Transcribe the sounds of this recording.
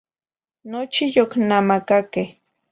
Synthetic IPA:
not͡ʃijoknamakake

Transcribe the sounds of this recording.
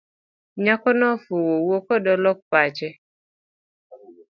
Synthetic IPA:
ɲakɔnɔfuwowokodɔlɔk̚pat͡ʃɛ

